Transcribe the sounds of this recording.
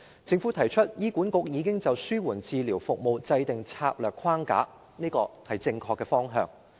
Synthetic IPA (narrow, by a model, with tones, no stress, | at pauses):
t͡sɪ˧ŋfuː˨˥t̪ʰɐ˨˩jt͡ʃʰɵ˥t̚jiː˥kuː˨˥nkʊ˨˥k̚jiː˨˧˥kɪ˥ŋt͡sɐ˨wsyː˥wuː˨˩nt͡siː˨˧liː˨˩wfʊ˨k̚mo˨wt͡sɐ˧jt̪ɪ˨ŋt͡sʰa̰ː˧˥p̚lœː˨kʰwaː˥ŋka̰ː˨˥ | niː˥kɔː˧hɐ˨˩jt͡sɪ˧ŋkʰɔː˧kːɛː˧fɔː˥ŋɦœ̰ː˧ŋ